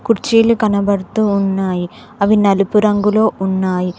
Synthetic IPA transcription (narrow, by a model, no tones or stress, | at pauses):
kuɾt͡ʃiːlukɐnɐbɐɽut̪uːnːaːji | ɐʋinɐlupuɾɐŋɡulo̞ːʔunːaːji